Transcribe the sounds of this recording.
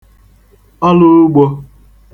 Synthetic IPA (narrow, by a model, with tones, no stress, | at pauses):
ɔ˦lʊ˦ɾʊ˦ɡ͡bo˦